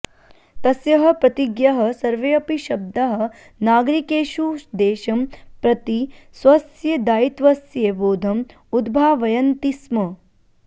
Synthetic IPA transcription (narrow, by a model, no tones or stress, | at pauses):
t̪ɐsjɐɦɐ̆pɾɐt̪iɡjɐɦɐ̆sɐɾʋeːɐpiʃɐb̚d̪ɐɦɐ̆ | naːɡɾikeːʃuːʃd̪eːʃɐmpɾɐt̪isʋɐsjɐd̪aːit̪ʋɐsjeːʋoːd̪ʱɐm | ud̪bʱaːʋɐjɐnt̪ismɐ